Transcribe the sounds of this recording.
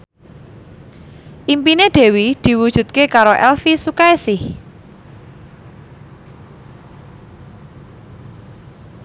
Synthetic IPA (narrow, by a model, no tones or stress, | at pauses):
ʔimpineɖ̪̥e̤wid̪̥i̤wud̥ʒ̥ṳt̪̚kekaɾoʔɛlfisukaesɪh